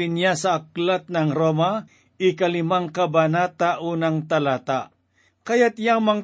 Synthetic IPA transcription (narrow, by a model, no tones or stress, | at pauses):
ɪnjasɐak̚lat̪̚nɐŋɾoma | ɪkɐlɪmaŋkɐbanat̪aʔuːnaŋt̪ɐlat̪a | kɐjat̪jaŋmɐŋ